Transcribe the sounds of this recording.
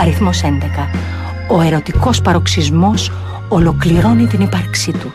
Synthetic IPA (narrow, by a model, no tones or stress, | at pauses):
ɐɾiθmo̞se̞nd̪e̞kɐ | o̞e̞ɾo̞t̪iko̞spɐɾo̞ksizmo̞s | olo̞kliɾo̞nit̪inipɐɾksit̪u